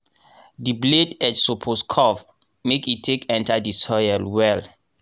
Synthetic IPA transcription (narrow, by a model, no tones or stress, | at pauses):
dibledɛtsopʰoskʰɔf | mekitʰːekɛ̃ntadisɔjalwɛl